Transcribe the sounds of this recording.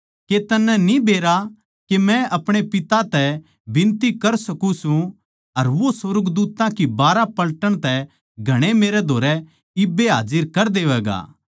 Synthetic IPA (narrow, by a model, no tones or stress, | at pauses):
ket̪ɐnːɛnĩbeːɾa | kemɛ̃ʔɐpɽ̃epɪt̪at̪ɛ | bɪ̃nt̪ikɐɾsɐkusũ | ɐɾʋosʋɐɾɡd̪uːt̪ãkibaːɾapɐlʈəɽ̃t̪ɛ | ɡʱɐɽ̃emeːɾɛd̪ʱoːɾɛ | ɪbeɦa̰ːd͡ʒɪɾkɐɾd̪eːʋɛːɡa̰ː